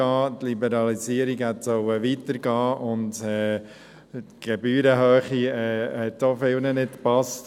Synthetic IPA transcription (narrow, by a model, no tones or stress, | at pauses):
ɑːtlibəɾɑlisiəɾiɡhɛtsɔʊəʋitəɾɡɑːʔʊntɛː | tɡ̥ɛbyːɾəɦœːχiɛːhɛtdofɪlnənɪtpɑst